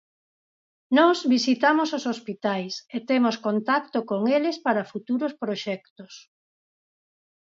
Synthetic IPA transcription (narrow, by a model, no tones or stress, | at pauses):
nɔzβisit̪amososospit̪ajset̪emoskont̪akt̪okoŋelespaɾɐfut̪uɾospɾoʃɛkt̪os